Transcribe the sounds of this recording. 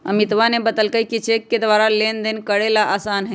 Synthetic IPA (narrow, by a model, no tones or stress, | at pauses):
ə̰mit̪ʋanebəd̪əlkəjkit͡ʃekːed̪ʋaɾalend̪enkəɽelaʔasanɦə